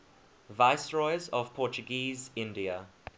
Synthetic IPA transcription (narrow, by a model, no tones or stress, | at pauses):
vaɪsɹɔɪəzɔv̥pʰɔːˑt͡ʃuɡiːzɪ̃ndiə